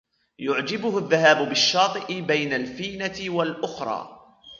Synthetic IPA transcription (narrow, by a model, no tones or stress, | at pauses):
jʊʕd͡ʒɪbʊhʊðːaɦaːbʊbɪʃːɑːt̪ˤɨʔɪbajnalfiːnawalʔʊxɾˤɑ̰ː